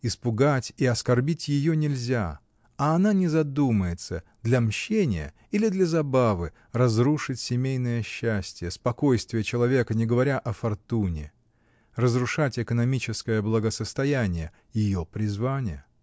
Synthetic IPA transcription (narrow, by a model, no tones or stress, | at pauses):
ɪspʊɡatʲiɐskɐrbʲitʲjɪjonʲɪlʲzʲa̰ | ɐːnanʲɪzɐd̪uməjɪt̪səd̪lʲɐmɕːenʲɪ̰jə̰ | ilʲɪd̪lʲəzɐbavɨ | rɐzɾuʂɨtʲsʲɪmʲejnəjəɕːæsʲtʲɪjəspɐko̞jst̪vʲɪjət͡ɕɪlˠɐvʲe̞kənʲɪɡəvɐɾʲaʔɐfɐrt̪unʲɪ̰ | rəzrʊʂatʲɪkənɐmʲit͡ɕɪskəjəblˠəɡəsəst̪ɐjænʲɪjə | jɪjopɾʲɪzvanʲɪjə